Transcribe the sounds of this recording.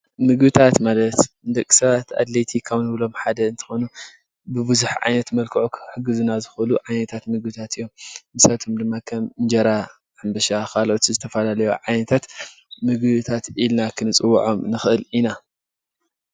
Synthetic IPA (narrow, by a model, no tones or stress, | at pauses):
mɨɡbɨt̪ʰat̪malɐt̪ɨnd̪ɐkʼːi̥sɐβat̪a̰d̪let̪ʰikʰawnɨβɨlo̞mħad̪ɐɨnt̪ʰɨ̥xo̞nu | bɨbɨzuħʕa̰jnɐt̪mɐlkʰɨʕokħɨɡɨzunazɨxluʕajnɐt̪ʰat̪mɨɡbɨt̪ʰat̪ɨjːo̞mmɨsaβt̪ʰomd̪ɨmːakʰɐmɨnd͡ʒɐɾa | ʕambɐʃakʰalʔot̪ʰizɨt̪ʰɐfɐlalɐjo̰ʕajnɐt̪ʰat̪ | mɨɡbɨt̪ʰat̪ʔilnakʰɨnɨt͡sʼɨw̰ːʕo̞mnɨxʔɨlina